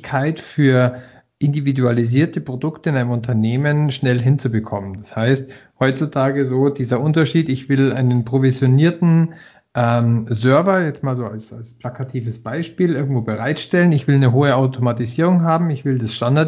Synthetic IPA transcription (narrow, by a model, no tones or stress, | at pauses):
kʰaɪtfyːɐ | ʔɪndividualiziːɐtəpʁ̥odʊktəɪnaɪnəmʊntʰɐneːmənʃnɛlɦɪnt͡subəkʰɔmənd̥ashaɪst̚hɔʏt͡sutʰaːɡəzoːdiːzɐʔʊntɐʃiːtɪçv̥ɪlʔa̰ɪnənpʁ̥ovizjoniːɐtn̩ | ʔɛmzœɐvɐjɛt͡stmaːlzoːa̰lsa̰lsplakʰatʰiːvəsb̥aɪʃpiːlʔɪɐɡŋ̩tv̥oːbəʁaɪtʃtɛlənɪçv̥ɪlnəɦoːəaʊtʰomatiziːʁ̞ʊŋɦaːbm̩ɪçv̥ɪldasʃtandaɐ